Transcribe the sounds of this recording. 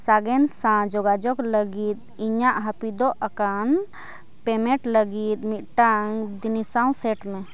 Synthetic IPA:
saɡensãd͡ʒɔɡad͡ʒɔkləɡit̪̚iɲãʔɦəpid̪ɔʔəkan | pemẽʈləɡit̪̚miʔʈaŋɡd̪inisãũseʈmẽ

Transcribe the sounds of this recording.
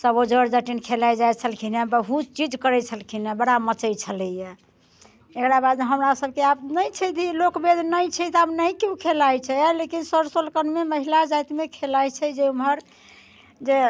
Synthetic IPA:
səbod͡ʒəɾd͡ʒəʈinkʰelajd͡ʒajt͡ʃʰəlkʰinebəɦut̪̚t͡ʃid͡ʒkəɾɛt͡ʃʰəlkʰinebəɽamət͡ʃəjt͡ʃʰələjɛ | ekɾabad̪eɦəmɾasəb̚keabnəjt͡ʃʰɛd̪ʱilokbed̪ʱnəjt͡ʃʰɛt̪abnəjkjũkʰelajt͡ʃʰɛlekinsəɾsolkənmeməɦilad͡ʒajt̪mekʰelajt͡ʃʰɛd͡ʒeumɦəɾ | d͡ʒe

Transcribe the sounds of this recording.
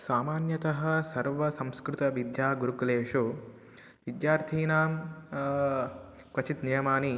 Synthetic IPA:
saːmaːnjɐt̪ɐɦɐ̆sɐɾʋɐsɐ̃mskɾut̪ɐʋid̪jaːɡuɾukuleːʃu | ʋid̪jaːɾt̪ʰiːnaːm | kʋɐt͡ʃit̪nijɐmaːni

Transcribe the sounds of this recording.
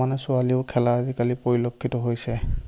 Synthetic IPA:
anɛsʊaliʊkʰɛlaːzikalipoɹilokʰːitɔɦojsɛ

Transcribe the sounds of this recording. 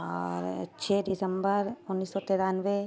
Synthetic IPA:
ɔɾt͡ʃʰeːɖɪsəmbəɾʊnːiːsːɔt̪eɾanʋe

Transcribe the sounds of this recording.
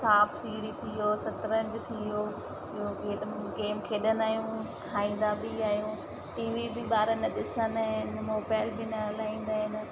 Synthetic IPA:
saːpʰsiːɽit̪ʰijosɐt̪ɾə̃ɲd͡ʑʊt̪ʰijo | ɪɦokeːɗɡeːmkʰeːɗənaːjũkʰaːĩːn̆d̪abiaːjũ | ʈiːʋibʱɪɓaːɾənɪɗɪsənɦɪnɪmoːbaːɪlbɪnɐɐlaːĩːn̆d̪aːɦɪnɪ̆

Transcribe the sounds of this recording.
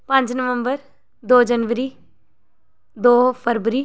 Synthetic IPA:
pə̃ɲd͡ʒnəʋəmbəɾ | d̪oːd͡ʒənʋəɾiː | d̪oːpʰəɾʋəɾiː

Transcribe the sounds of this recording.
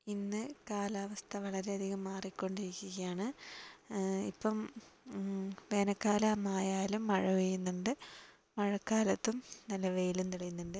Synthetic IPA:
inːɨkaːlaːʋɐst̪ʰɐʋɐɭɐɾe̞ɐd̪ʱiɣɐmːaːrikʲːo̞ɳɖiɾikʲːuɣɐjaːɳɨ | ḭpːɐm | ʋe̞ːnɐkːaːlɐmaːjaːlumːɐɻɐʋejunːuɳɖɨ | mɐɻɐkːaːlɐt̪ːumnɐlːɐʋejilumt̪iɽɐjunːuɳɖɨ

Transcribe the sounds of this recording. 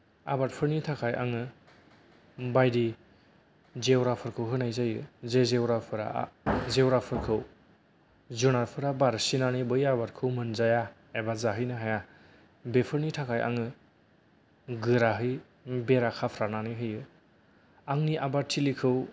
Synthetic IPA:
a̰bat̚pʰɯɾnitʰakʰajʔa̰ŋɯ | bajdi | zewɾapʰɯɾkʰɯwɦɯnajzajɯzezewɾapʰɯɾa̰zewɾapʰɯɾkʰɯw | zunaɾpʰɯɾabaɾsinanɯbɯjabaɾkʰɯwmɯnzaja | ebazaɦɯjnɯɦaja | bepʰɯɾnitʰakʰaja̰ŋɯ | ɡɯɾaɦɯj | beɾakʰapʰɾananiɦɯjɯ | aŋniʔabatʰːilikʰɯw

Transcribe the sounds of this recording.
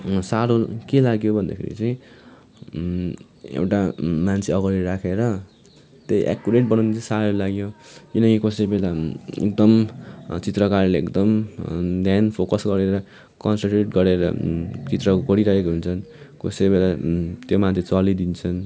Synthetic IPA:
saɾokelaɡjobʱʌnd̪a̰kʰḛɾḭt͡sʌj̃ | ḛwʈamant͡sʰeʌɡʌɾiɾakʰeɾʌ | t̪ejʔa̰kːuɾeʈ̚bʌnawnet͡sãsaɾolaɡjokinʌŋkikʌsebelaḛk̚d̪ʌmt͡sit̪rʌkarleḛkd̪ʌmd̪ʱjanpʰokʌsɡʌɾeɾʌ | kʌnsʌɳʈeʈɡʌɾeɾʌ̰t͡sit̪rʌɡʌɾiɾʌɦekoɦunt͡sʰʌnkʌsebelat̪jomant͡sʰet͡sʌlid̪int͡sʰʌn

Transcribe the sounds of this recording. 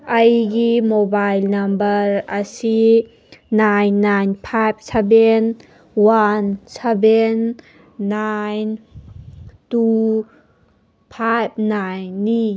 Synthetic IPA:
əjɡimobajlnɐmbəɾəsi | najnːajnpʰajp̚ʰseben | wansebenː | ajn | tu | pʰajp̚najnːi

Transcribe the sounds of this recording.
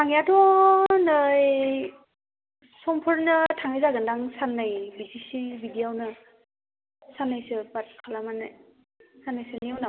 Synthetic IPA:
tʰaŋjadɔnɯj | sɔmpʰɔɾnɯtʰaŋɯjzaɡɯndaŋsanːajbizisibidijawnɯ | sanːajsɯbat̚kʰalamanaj | sanːajsɯniwnaw

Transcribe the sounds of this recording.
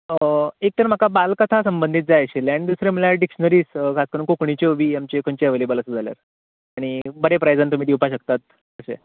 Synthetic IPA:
əek̚t̪əɾm̤akabalkət̪ʰasəmbənd̪ʱiːt̪̚d͡zaəɕeleaɽid̪usɾeməlaɖikɕənəɾiːskʰaskəɾuːnkokɳit͡ɕeʋiːamt͡ɕekʰoɲt͡ɕeəʋelebələsəd͡zʱalja̰ɾ | aɽ̃ibəɾepɾajd͡zant̪̬um̤iːd̪iwpaɕəkt̪at̪̚ | əɕḛ

